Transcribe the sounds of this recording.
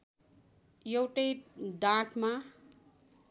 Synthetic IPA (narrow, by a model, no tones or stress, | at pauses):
jewʈʌjd̪ãʈʰma